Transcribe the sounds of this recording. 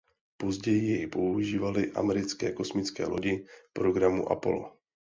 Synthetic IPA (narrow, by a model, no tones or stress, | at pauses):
po̞zɟɛjɪjɛjpo̞uʒiːvalɪʔa̰mɛɾɪt͡skɛ̰ːko̞smɪt͡skɛ̰ːlo̞ɟɪpɾo̞ɡɾamuʔa̰po̞̰lo̰